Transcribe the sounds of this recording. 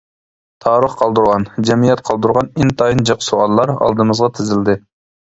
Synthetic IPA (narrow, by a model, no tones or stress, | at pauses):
t̪ʰɑːɾəχqʰɑlˠd̪uɾʁɑnd͡ʒɛmijɛt̪̚qʰɑlˠd̪uɾʁɑnɪnt̪ʰɑjɨnd͡ʒɑqsoɑlˠːɑɾɑ̰lˠd̪ɨmɨzʁɑt̪ʰɪzɪld̪ɪ